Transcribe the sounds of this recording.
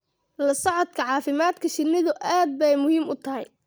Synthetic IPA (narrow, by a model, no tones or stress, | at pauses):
lɐsɔʕɔd̪kʰɐʕɑːfɪmaːd̪kʰɐʃɪnːɪðʊʔaːd̪̚bɛjmʊhiːmʊt̪ʰɐɦɛj